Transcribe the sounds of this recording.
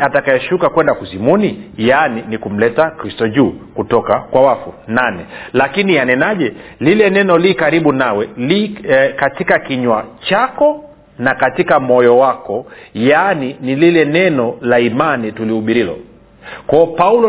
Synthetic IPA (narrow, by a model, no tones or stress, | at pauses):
atakajɛʃukakwɛndakuzimunijaninikum̩lɛtakɾistɔʄuːkutɔkakwawafunanɛlakinianɛnaʄɛlilɛnɛnɔlikaɾiɓunawɛlikatikakiɲwat͡ʃakɔ | nakatikamɔjɔwakɔjaninililɛnɛnɔlaimanitulihuɓiɾilɔ̰ | kɔːpaulɔ